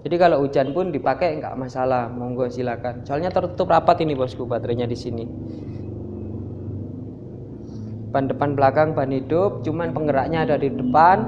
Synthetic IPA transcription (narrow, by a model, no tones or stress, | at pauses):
d͡ʒadikaloʔud͡ʒanpʊndipakɛŋka̰ʔmasalahmɔŋɡɔsilakansoalɲat̪ərt̪u̥t̪ʊp̚rapat̪inibɔskubat̪ɾeɲadisini | b̥andəpanbəlakaŋbanɦidʊp̚t͡ʃumanpəŋɡəɾaʔɲaːdadidəpan